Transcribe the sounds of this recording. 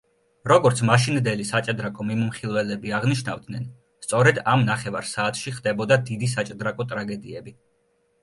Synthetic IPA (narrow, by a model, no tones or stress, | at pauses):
ɾɔɡɔɾt̪sʰmaʃind̪ɛlisat͡ʃʼd̪ɾakʼɔmimumχilˠvɛlɛbiaʁniʃna̰vd̪nɛn | st̪sʼɔɾɛd̪amnaχɛvaɾsaːt̪ʰʃiχd̪ɛbɔd̪ad̪id̪is̬at͡ʃʼd̪ɾakʼɔt̪ʼɾaɡɛd̪iɛbi